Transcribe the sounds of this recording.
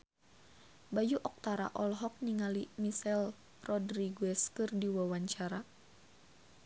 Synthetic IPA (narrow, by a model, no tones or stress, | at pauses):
bajuʔɔk̚t̪aɾa̰ʔɔlɦɔk̚niŋalimisɛl | rɔdɾiɡuɛskɨrdiwawaɲt͡ʃaɾa